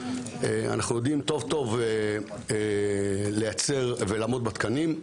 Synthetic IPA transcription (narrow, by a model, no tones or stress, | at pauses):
ea̰naχnujo̞d̪imt̪o̞vt̪ove | e | lejat͡se̞ʁvelamo̞d̪̚bat̪kanim